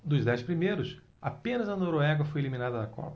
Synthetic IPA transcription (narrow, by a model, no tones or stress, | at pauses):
d̪ʊzd̪ɛjspɾimejɾʊs | apẽnɐzɐnoɾoɛɡɐfojeliminad̪ɐd̪ɐkɔ̰pɐ